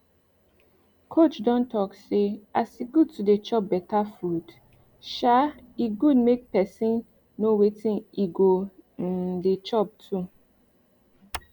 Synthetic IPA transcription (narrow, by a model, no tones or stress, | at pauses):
kʰot͡ʃdɔ̃ntɔkseasiɡud̚tudet͡ʃɔp̚bɛtafud̥ | ʃa | iɡudmek̚pɛsĩnː | owetĩniɡo | det͡ʃɔp̚tʰu